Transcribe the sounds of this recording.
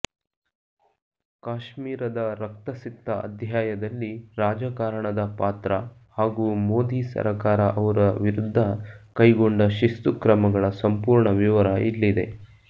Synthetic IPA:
kaːʃmiːɾɐd̪ɐɾɐk̚t̪ɐsit̪ːɐɐ̰d̪ʱjaːjɐd̪ɐlːiɾaːd͡ʒɐkaːɾɐɳɐd̪ɐpaːt̪ɾɐ | haːɡuːmoːd̪isɐ̰ɾɐkaːɾɐʔɐʋɐɾɐʋiɾud̪ʱːɐkɐjɡo̞ɳɖɐʃist̪ukɾɐmɐɡɐɭɐsɐmpuːɾɳɐʋiʋɐɾɐḭlːid̪e̞̰

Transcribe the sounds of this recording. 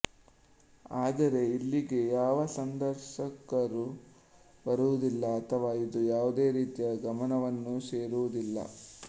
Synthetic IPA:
aːd̪ɐɾe̞ilːiɡe̞jaːʋɐsɐnd̪ɐɾʃɐkɐɾu | bɐɾuʋud̪ilːɐːt̪ʰɐʋaːid̪ujaːʋud̪e̞ːɾiːt̪ijɐɡɐmɐnɐʋɐnːuseːɾuʋud̪ilːɐ̰

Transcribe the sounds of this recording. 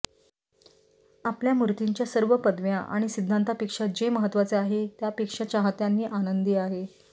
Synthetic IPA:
apljamuɾt̪iɲt͡ɕjasəɾʋəpəd̪ʋjaʔa̰ɽ̃isid̪ʱːant̪apikʂad͡ʑeməɦət̪ːʋat͡seaɦet̪japikʂat͡ɕaɦat̪janːiːʔanənd̪iːaɦe

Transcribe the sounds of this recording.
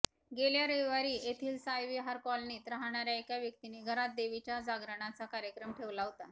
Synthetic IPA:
ɡeljaɾeʋaɾiːet̪ʰiːlsajʋiɦaɾkɔlniːt̪ɾaɦaɳ̃aɾjaekjaʋjək̚t̪iniːɡʱəɾat̪̚d̪eʋit͡ɕjad͡zaɡɾəɳ̃at͡sakaɾjəkɾəmʈʰeʋlaɦot̪a

